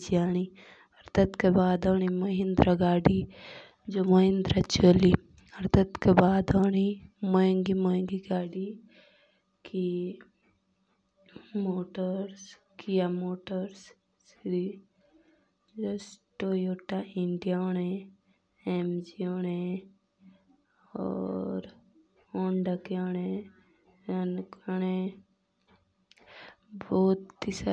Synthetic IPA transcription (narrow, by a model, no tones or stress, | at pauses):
d͡ʒiaːɽ̃i | ɐɾt̪ʰət̪kebaːd̪oːɽ̃imɐɦɪ̃nd̪ɾaɡaːɖi | d͡ʒomɐɦɪ̃nd̪ɾat͡ʃoːli | ɐɾt̪ʰət̪kebaːd̪oːɽ̃imɐ̃ŋɡimɐ̃ŋɡiɡaːɽi | ki | moːʈəɾs | kijamoːʈəɾs | sɾi | d͡ʒəsʈojoʈaʔiɳɖijaoɽ̃e | emd͡ʒioñe | ɔ̰ːɾ | ɔɳɖakeɔñe | nkañe | boːt̪t̪isa